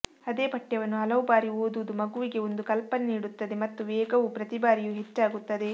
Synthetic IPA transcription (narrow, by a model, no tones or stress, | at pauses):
ɐd̪e̞ːbɐʈːjɐʋɐnːuɦɐlɐʋubaːɾioːd̪ud̪umɐɡuʋiɡe̞o̞nd̪ukɐlpɐnniːɽut̪ːɐd̪e̞mɐt̪ːuʋɛːɡɐʋupɾɐt̪ibaːɾijuɦe̞t͡ʃːaːɡut̪ːɐd̪e̞